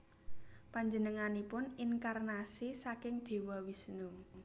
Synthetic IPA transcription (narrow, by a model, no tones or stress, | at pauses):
paɲd͡ʒənəŋanipʊniŋkarnasisakɪŋd̪̥e̤wɔwisnu